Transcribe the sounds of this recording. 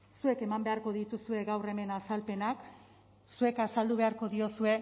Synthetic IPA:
sue̞ke̞mambe̞aɾko̞ðit̪usue̞ɣawre̞me̞nasalpe̞nak | sue̞kasald̪uβ̞e̞aɾko̞ðio̞sue̞

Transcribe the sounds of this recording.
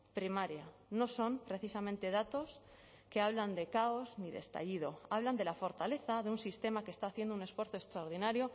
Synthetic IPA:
pɾimaɾja | no̞so̞mpɾe̞θisamẽnt̪e̞ð̞at̪o̞s | ke̞aβland̪e̞kao̞zniðe̞̰st̪a̰ʎið̞o̞aβland̪e̞lafo̞ɾt̪ale̞θaðeunsist̪e̞makest̪aːθje̞nd̪oune̞sfwe̞ɾθo̞est̪ɾaoɾðinaɾjo̞

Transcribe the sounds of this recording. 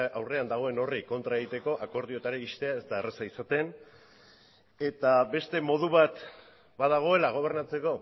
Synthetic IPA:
awre̞and̪aɣ̞o̞e̞no̞riko̞nt̪ɾaeɣit̪e̞ko̞ʔako̞ɾðio̞t̪aɾeist̪e̞ae̞zt̪aeresaisat̪e̞n | e̞t̪abe̞st̪e̞mo̞ð̞uβat̪ | bað̞aɣ̞o̞e̞laɣ̞o̞β̞e̞ɾnat͡se̞ko̞

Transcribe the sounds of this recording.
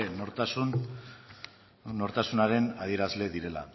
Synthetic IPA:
enoɾt̪asun | no̞ɾt̪asunaɾe̞naðie̞ɾazle̞ðiɾe̞la̰

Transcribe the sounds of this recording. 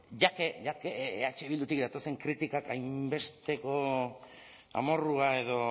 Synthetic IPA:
ʝakeʝakeeat͡ʃeβild̪ut̪ikd̪at̪o̞se̞ŋkɾit̪ikakajmmbe̞st̪e̞ko̞ | a̰mo̞ruae̞ð̞o̞

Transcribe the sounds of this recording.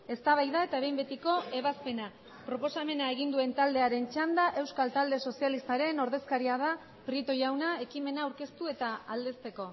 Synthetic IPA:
e̞st̪aβajðae̞t̪aβe̞jmbe̞t̪iko̞e̞β̞aspe̞na | pɾo̞po̞same̞nae̞ɣ̞ind̪ue̞nt̪ald̪e̞aɾe̞nt͡ʃand̪aʔe̞wskalt̪ald̪e̞so̞sialist̪aɾe̞no̞ɾðe̞skaɾiað̞a | pɾit̪o̞jawnae̞kime̞naːwɾke̞st̪ue̞t̪aald̪e̞st̪e̞ko̞

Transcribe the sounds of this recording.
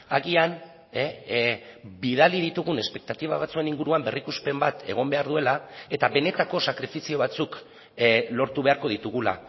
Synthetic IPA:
aɣian | biðalið̞it̪uɣune̞spe̞k̚t̪at̪iβaβat͡sue̞niŋɡuɾuambe̞rikuspe̞mbat̪e̞̰ɣ̞o̞mbe̞aɾðue̞lae̞t̪aβe̞ne̞t̪ako̞sakɾifisio̞βat͡suk | lo̞ɾt̪uβ̞e̞aɾko̞ðit̪uɣula̰

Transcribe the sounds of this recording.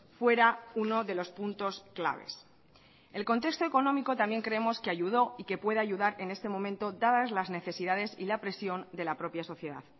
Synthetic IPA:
fwe̞ɾauno̞ðe̞lo̞spunt̪o̞skla̰βe̞̰s | e̞lko̞nt̪e̞kst̪o̞e̞ko̞nõ̞miko̞t̪ambje̞ŋkɾe̞emo̞skeaʝuðoike̞pwe̞ðe̞aʝuðaɾe̞ne̞st̪e̞mõ̞mẽnt̪o̞d̪aðazlazne̞θe̞siðað̞e̞silapɾe̞sjo̞nd̪e̞lapɾo̞pjaso̞θje̞ða̰ð

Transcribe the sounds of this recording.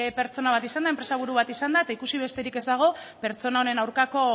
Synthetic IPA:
pe̞ɾt͡so̞naβat̪isand̪ae̞mpɾe̞saβ̞uɾuβ̞at̪isand̪aet̪aikusiβ̞e̞st̪e̞ɾike̞zd̪aɣ̞o̞pe̞ɾt͡so̞nao̞ne̞nawɾkako̞

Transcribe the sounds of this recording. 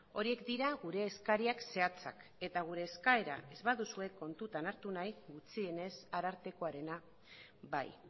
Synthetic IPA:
o̞ɾie̞kd̪iɾaɣuɾe̞ːskaɾiakse̞at͡sa̰ke̞t̪aɣ̞uɾe̞ːskae̞ɾa̰e̞zβaðusue̞kːo̞nt̪ut̪anaɾt̪unajɡut͡sie̞ne̞saɾaɾt̪e̞ko̞aɾe̞na | ba̰j

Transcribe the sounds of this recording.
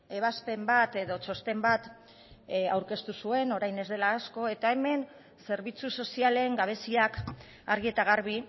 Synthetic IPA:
e̞β̞aspe̞mbat̪e̞ðo̞t͡ʃo̞st̪e̞mbat̪ | awɾke̞st̪usue̞no̞ɾajne̞zðe̞laːsko̞e̞t̪ae̞me̞n | se̞ɾβit͡suso̞siale̞ŋɡaβ̞e̞siak | aɾɣie̞t̪aɣaɾβi

